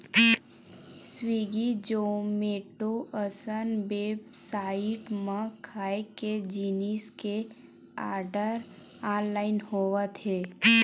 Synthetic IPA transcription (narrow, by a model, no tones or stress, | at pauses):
swiɡid͡ʒoːmeːʈoʔəsənbeːbsaːiʈmə̃kʰaːeked͡ʒiniske | a̰ːɾɖəɾ | aːnlaːɪnhoːʋət̪ʰeː